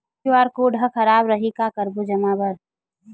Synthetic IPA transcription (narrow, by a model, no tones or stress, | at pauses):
ʋaːɾkoɖʱəkʰəɾaːbɾəɦikakəɾbud͡ʒəmaːbəɽ